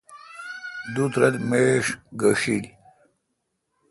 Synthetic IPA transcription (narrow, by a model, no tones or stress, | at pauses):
d̪ut̪ɾɐd̪meʂɡəʂil